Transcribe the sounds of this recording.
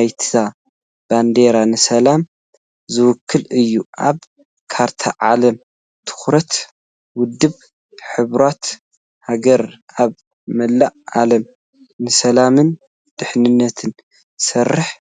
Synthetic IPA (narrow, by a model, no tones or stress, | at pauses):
jt̪ʰa | b̥and̪eɾanɨsɐlam | zɨwʊkʰːɨlɨjːuʔa̰β | kʰaɾt̪ʰaʕalɐm | t̪ʰɨ̥xɾɐt̪ | wʊd̪ːɨβ | ħɨβɾat̪ | haɡɐɾʔaβ | mɐlːaʔa̰lɐm | nɨsɐlamɨn | d̪̥ɨħnɨnːɐt̪ʰɨn | sɐrːɨħ